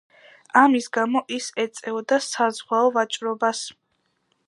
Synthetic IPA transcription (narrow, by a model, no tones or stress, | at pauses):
amisɡamɔʔisɛt̪sʼɛɔd̪asazʁwaɔvat͡ʃʼɾɔbas